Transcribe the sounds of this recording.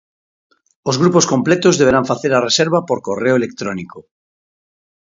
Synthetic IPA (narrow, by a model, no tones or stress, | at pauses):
ozɣɾupo̞skõ̞mplet̪ozðeβ̞eɾaɱfaθeɾareseɾβapoɾkoreoelek̚t̪ɾoniko